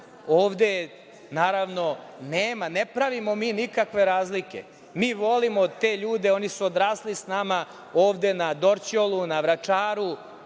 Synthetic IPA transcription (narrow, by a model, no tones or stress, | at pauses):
oːʋd̪e̞ | naːɾaʋno̞neːmanepɾaʋimo̞miːnikakʋe̞ɾaːzlikʲe̞̰ | miːʋo̞limot̪e̞ʎuːd̪e̞o̞nisuod̪ɾaːslisnama | oːʋd̪e̞nad̪oɾt͡ɕolˠunaʋɾat͡ʂaːɾu